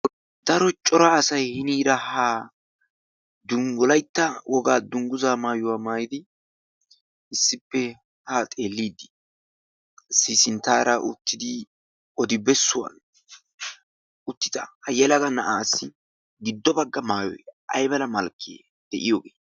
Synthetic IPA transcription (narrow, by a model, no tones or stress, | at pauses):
d̪̥ɐɾɔt͡ʃʼɔɾaːsɐjhɪniːɾɐhaː | d̪ʊŋɡʊlɐjt̪ːɐwʔɔɡaːd̪ʊŋɡʊzaːmaːjʊwaːmaːjɪd̪ɪ | ɪsːɪpːɛ | hat̪ʼe̞ːlːiːd̪ːɪ̥ | sisɪnt̪aːɾɐʔʊ̰t̪ːɪd̪ɪ | ɔd̪ɪbɛsːʊwɐ̰n | ʊt̪ːɪ̥t̪ɐhɐjɛlɐɡɐnɐʔaːsːɪ | ɡɪd̪ːɔbɐɡːɐmaːjɔ̰jʔɐ̰jbɐlɐmɐlkʰːḛː | d̪̥ɛʔɪjoːɡeː